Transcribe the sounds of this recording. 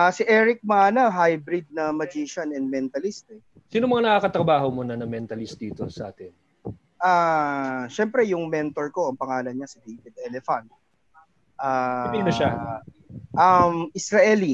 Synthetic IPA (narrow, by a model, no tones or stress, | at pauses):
ʔasiʔɛːɹɪk̚mɐaːnɐɦajbɾɪd̪̚nɐmɐd͡ʒiːʃɐnɛnd̪̚mɛnt̪ɐlist̪ɛ | siːnomɐŋanɐkakɐt̪ɾɐbaːɦomunɐnɐŋmɛnt̪ɐlist̪̚d̪iːt̪o̰sɐʔa̰ːt̪ɪn | ʔaːʃɛmpɾɛjʊŋmɛnt̪oɹko̞ɐŋpɐŋaːlɐnɲasɐd̪ejvɪd̪̚ʔɛlɛfɐnt̪̚ | ʔaimɐʃa | ʔɐmʔɪsɾɐʔɛli